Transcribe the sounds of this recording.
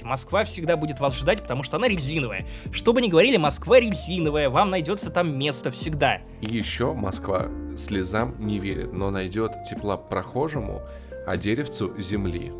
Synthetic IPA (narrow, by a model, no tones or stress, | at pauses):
mɐskvafsʲɪɡd̪abudʲɪt̪vasʐd̪atʲpə̥t̪ɐmuʂt̪oɐnaɾʲɪlʲzʲinəvə̰jə̰ʂt̪o̞bɨnʲɪɡəvɐɾʲilʲɪmɐskvaɾʲɪlʲzʲinəvəjəvamnɐjdʲo̞t̪sət̪amːʲe̞st̪əfsʲɪɡd̪a | ijɪɕːomɐskva̰sʲlʲɪzamnʲɪvʲeɾʲɪ̰t̪no̞nɐjdʲo̞t̪tʲɪplˠapɾɐxo̞ʐɨmʊ̰ | ɐ̰dʲeɾʲɪft̪sʊzʲɪmlʲḭ